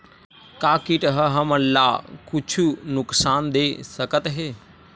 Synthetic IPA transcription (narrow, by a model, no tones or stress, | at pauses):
kaːkiʈɦəɦɐməlaːkʊt͡ʃʰunʊksaːnd̪eːsəkət̪ɦeː